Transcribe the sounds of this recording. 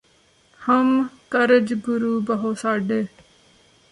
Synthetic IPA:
həmkəɾəd͡ʒɡʊɾuːbəɦoːsaːɖe

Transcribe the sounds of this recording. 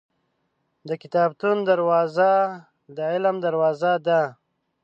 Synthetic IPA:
d̪əkɪt̪ɑːb̚t̪und̪aɾwɑːza | d̪əɪlmd̪aɾwɑːzad̪a

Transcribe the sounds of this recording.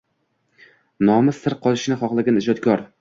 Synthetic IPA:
nɒmɪsːɪɾqʰɒlˠɪʃnɪχɒqlˠaɡʲanɪd͡ʒɒd̪̚kʰɒɾ

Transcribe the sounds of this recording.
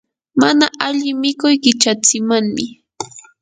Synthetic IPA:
manaʔaʎɪmɪkʊjɢɪt͡ʃat͡sɪmaŋmɪ

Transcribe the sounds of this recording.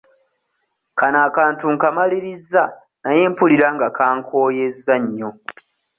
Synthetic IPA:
kanaːkaːntuŋkamaliɾizːa | najeːmpuliɾaŋɡakʰaːŋkʰo̞ːje̞zːaɲːo

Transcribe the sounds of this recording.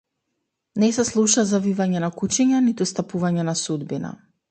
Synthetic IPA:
nɛsɛslˠuʃazavivaɲɛnakut͡ʃiɲanit̪ust̪apuvaɲɛnasud̪bina̰

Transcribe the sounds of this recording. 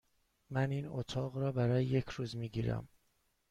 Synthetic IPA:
mæniːno̰t̪ʰɒːɣɾɒːbæɾɒːjeje̞cʰɾuːzmiːɟiːɾæ̰m

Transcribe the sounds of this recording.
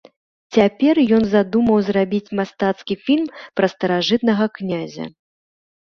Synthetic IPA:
t͡sʲapʲɛrjɔnzad̪umɐwzrabʲit͡sʲmast̪at̪skʲifʲilʲmpɾɐst̪ɐɾaʐɨt̪̚nɐɣɐknʲazʲɐ̰

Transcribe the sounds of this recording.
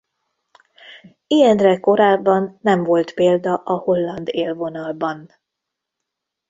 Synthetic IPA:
ijɛnrɛko̞ɾaːbːɒnːɛɱvo̞lt̪peːld̪ɒʔɒho̞lːɒnd̪eːlvo̞nɒlbɒn

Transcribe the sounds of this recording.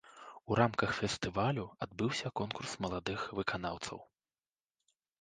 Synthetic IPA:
uɾamkɐxfʲɛst̪ɨvalʲuad̪̚bɨwsʲɐkɔnkursmɐlˠad̪ɨxvɨkana̰wt̪sɐ̰w

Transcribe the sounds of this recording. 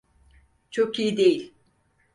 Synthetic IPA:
t͡ʃʰokʰijid̪ejilʲ

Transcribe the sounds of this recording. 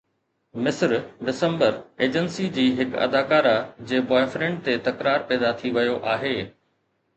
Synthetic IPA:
mɪsɾɖɪsə̃mbəɾeːd͡ʑənsid͡ʑiːɦɪkɐ̰d̪aːkaːɾad͡ʑeːbɔːɪfɾẽɳɖ̚t̪et̪ɐkɾaːɾpɛːd̪at̪ʰiʋɐjoʔaːɦeː

